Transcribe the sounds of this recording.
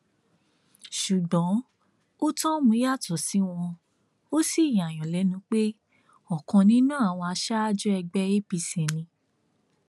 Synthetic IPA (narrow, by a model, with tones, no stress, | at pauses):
ʃu˨ɡɔ̃˨˦ | o˦tɔ̃˦mũ˧˦a˦˨tɔ˨si˨˦w̃ɔ̃˧ | o˦si˦˨j̃a˨j̃ɔ̃˨lɛ˨˦nũ˧k͡pe˦ | ɔ˨kɔ̃˧nĩ˦nũ˦a˦˨w̃ɔ̃˧a˧ʃa˦a˦d͡ʒɔ˦ɛ˧ɡ͡bɛ˦e˦pi˧sɛ˨nĩ˧